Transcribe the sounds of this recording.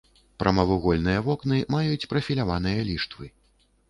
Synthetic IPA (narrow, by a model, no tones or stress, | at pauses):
pɾɐmɐvuɣɔlʲnɨjɐvɔknɨmajut͡sʲpɾɐfʲilʲavan̪ɨjɐlʲiʂt̪vɨ